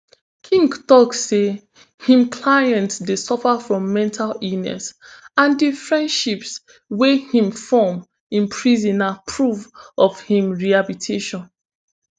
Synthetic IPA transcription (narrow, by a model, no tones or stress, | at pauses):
kʰĩŋɡtɔkse | hĩmkʰlajɛ̃ntsdesɔfafɹɔ̃mːɛ̃ntʰalinɛ̰sãndifɹɛ̃ndʃips | wehĩmfɔm | ĩmpʰɹizĩnapʰɹuvɔvhĩmɹihabitʰeʃɔ̃n